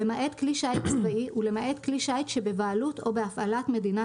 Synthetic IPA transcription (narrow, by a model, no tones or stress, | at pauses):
emaʔet̪kliʃait̪t͡svaʔiʔule̞maʔe̞t̪kliʃaitʃebe̞vaaluto̞beafalatme̞dina